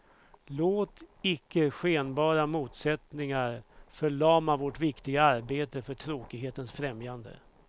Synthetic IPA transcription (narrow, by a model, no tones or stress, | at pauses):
loːt̪ɪkːəɧeːnbɑːɾamuːt̪sɛt̪nɪŋaɾfœɭɑːmavɔʈvɪkt̪ɪɡaaɾbeːt̪əfœʈʰɾoːkɪɡɦeːt̪ənsfɾɛmjand̪ə̰